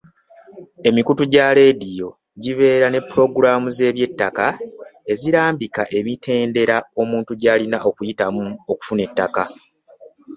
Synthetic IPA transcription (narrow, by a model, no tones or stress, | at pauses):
e̞mikutuɟaɾe̞ːdijo̞ | ɟiβe̞ːɾane̞pːuɾo̞ɡuɾaːmuze̞ːβje̞tːakae̞ziɾaːmbikaʔe̞mitʰe̞ːnde̞ɾao̞muːntuɟaːlinaʔo̞kujitamuoku̥fune̞tːaka